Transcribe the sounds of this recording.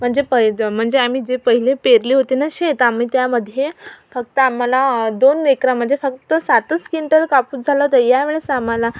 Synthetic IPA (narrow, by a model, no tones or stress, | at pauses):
m̤əɳd͡zepəm̤əɳd͡zeam̤iːd͡zepəɦilepeɾliːɦot̪inaɕet̪am̤iːt̪jaməd̪ʱːjefək̚t̪əamalad̪onːekɾam̤əɖ̪ʱːjefək̚t̪əsat̪əskiɳʈəlkapuːt͡sd͡zʱalɔt̪əɾjaʋeɭesamala